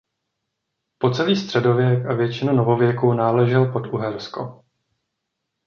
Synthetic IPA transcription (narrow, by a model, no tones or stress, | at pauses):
po̞t͡sɛliːst̪r̥ɛdo̞vjɛkavjɛt͡ʃɪnuno̞vo̞vjɛkunaːlɛʒɛlpo̞t̪uɦɛɾsko̰